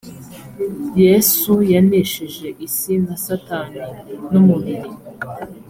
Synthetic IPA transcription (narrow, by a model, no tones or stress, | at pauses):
jesujaneʃiʒe̞ʔisinzasataninumuβiɾi